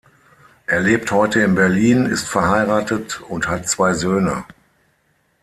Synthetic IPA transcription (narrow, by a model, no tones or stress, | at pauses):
ʔeːɐleːp̚thɔʏtəɪnbɛɐliːnɪ̰stfɛɐhaɪʁaːtətʊnthatt͡sv̥aɪzøːnə̰